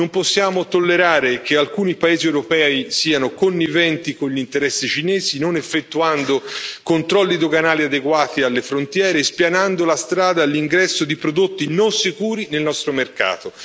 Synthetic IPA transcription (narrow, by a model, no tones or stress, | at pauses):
nomposːjaːmot̪olːeɾaːɾekʰealkuːnipaeːziewɾopɛːisiːanokonːivɛnt̪ikonʎint̪eɾɛsːit͡ʃinɛːzinonefːet̪ːuand̪okont̪ɾɔlːid̪oɡanaːliad̪eɡwaːt̪ialːefɾont̪jɛːɾeːspjanand̪olast̪ɾaːd̪aːlːiŋɡɾɛsːod̪ipɾod̪ot̪ːinonsikuːɾinelnɔst̪ɾomerka̰ːt̪o